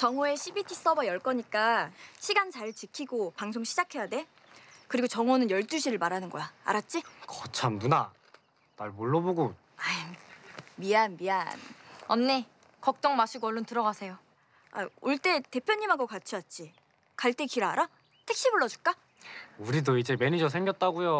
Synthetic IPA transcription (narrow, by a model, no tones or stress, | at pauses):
t͡ɕʌŋoe̞ɕʰibitʰis͈ʌbʌjʌɭk͈ʌɲik͈aɕʰiɡant͡ɕaɭt͡ɕikʰiɡopaŋsʰoŋɕʰid͡ʑakʰe̞jade̞ | kɯɾiɡot͡ɕʌŋonɯnjʌɭt͈uɕʰiɾɯɭmaɾanɯnɡʌjaa̰ɾat̚t͡ɕ͈ikʌt͡ɕʰamduna | naɭmoɭːʌboɡo | a | mianmianʌnːe | kʌk̚t͈ʌŋmaɕʰuɡoʌɭːontɯɾʌɡasʰe̞jo | a̰oɭt͈e̞te̞pʰjʌɲːimɦaɡokat͡ɕʰiʌt̚t͡ɕ͈i | kaɭt͈e̞kiɾaːɾa | tʰe̞k̚ɕ͈iboɭːʌd͡ʑuk͈a | uɾidoid͡ʑe̞me̞nid͡ʑʌs̬ʰe̞ŋɡjʌt̚t͈aɡujo